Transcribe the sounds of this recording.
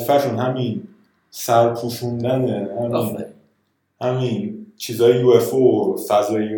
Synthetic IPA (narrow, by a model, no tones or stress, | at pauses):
fæɾʃunhæmin | sæɾpʰuʃund̪ænehæmin | hæmint͡ʃʰiːzɒːjejuːefofæzɒːjju